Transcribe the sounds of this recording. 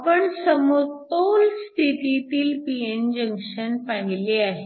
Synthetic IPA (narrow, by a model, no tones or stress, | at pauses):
pəɳsəmot̪olst̪ʰit̪it̪iːlpiend͡ʑəŋkʂənpaɦileaɦe